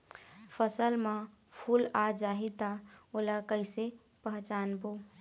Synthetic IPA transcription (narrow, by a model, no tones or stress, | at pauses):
pʰəsəlmã | pʰuːlad͡ʒaːɦit̪aolakəɪse | pəɦt͡ʃaːnbo